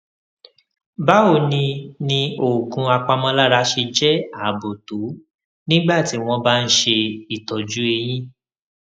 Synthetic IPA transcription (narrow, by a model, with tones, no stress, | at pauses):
ba˦o˧˨nĩ˧nĩ˧o˨kũ˨˦a˧k͡pa˧mɔ̃˦la˦ɾa˧ʃe˧d͡ʒɛ˦a˨bo˨to˨˦ | nĩ˦ɡ͡ba˦˨ti˨˦w̃ɔ̃˦ba˦n̩˦ʃe˧i˦˨tɔ˨d͡ʒu˨˦e˧j̃ĩ˦